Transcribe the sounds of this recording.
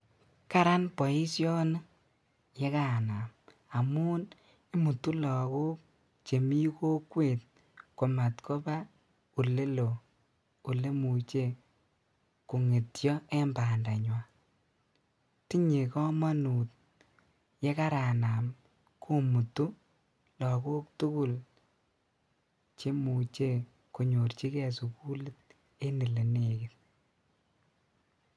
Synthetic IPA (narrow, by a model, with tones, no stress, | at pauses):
ka˦ɾa˦npɔ˨i˦sjɔ˦n˦ | je˦ka˦˨na˨m | a˨muː˦n | i˦mu˨tu˦lɔ˨ku˦k̚ | t͡ʃe˨mi˦ko˦kwe˨t̚ | ko˨ma˨tkʰɔ˦ba˦ | u˨le˦lo˨ | u˨le˦mu˨t͡ʃe˦ | ku˨ŋe˨tjɔ˦ɛ˦mba˨nda˨ɲwa˨ | ti˦ɲi˨kɔ˦ma˦nu˨t̚ | je˦ka˦ɾa˨na˨m | kʰu˦mu˨tu˦ | lɔ˨ku˦ktu˦ku˦l | t͡ʃe˦mu˨t͡ʃe˦ | ku˨ɲo˨rt͡ʃi˦kɛ˨su˨ku˦lɪ˦t̚ | e˦ni˨le˨ne˨ki˨t